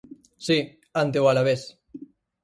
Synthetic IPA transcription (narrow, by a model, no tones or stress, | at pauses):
si | ant̪eoalaβes